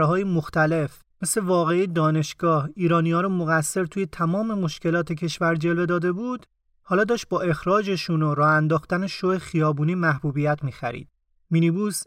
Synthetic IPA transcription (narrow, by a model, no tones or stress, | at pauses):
ɦɒːjemo̞xt̪æle̞f | me̞sle̞vɒːɣe̞ijd̪ɒːne̞ʃɡ̥ɒːhiːɾɒːnijɒːɾɔmoɣæsːe̞ɾt̪ʰuːje̞t̪ʰæmɒːme̞mo̞ʃcʰe̞lɒːt̪ʰecʰe̞ʃvæɾd͡ʒe̞lve̞d̪ɒːd̪e̞buːd̪ | hɒːlɒːd̪ɒːʃt̪̚bɒːʔe̞xɾɒːd͡ʒeʃunoɾɒːænd̪ɒːxt̪æneʃohexijɒːbuːniːmæhbuːbijæt̪ʰmiːxæ̰ɾḭːd̪̥̚ | minibuːs